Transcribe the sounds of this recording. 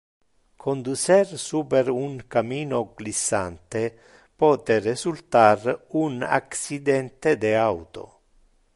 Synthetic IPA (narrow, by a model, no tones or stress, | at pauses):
kʰond̪ut͡ʃersuːpeɾuŋkamiːnoɡlisːa̰nt̪e | pɔːt̪eresult̪aruna̰ksid̪ɛnt̪ed̪eawt̪o̰